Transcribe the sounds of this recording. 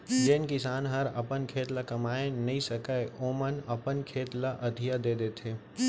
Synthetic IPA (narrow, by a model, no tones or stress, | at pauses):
d͡ʒeːnkɪsaːnɦɐɾɐ̰pənkʰeːt̪lakɐmaːenɐɦĩsɐkaeʔoːmənɐpənkʰeːt̪laʔɐd̪ʱijad̪eːd̪eːt̪ʰeː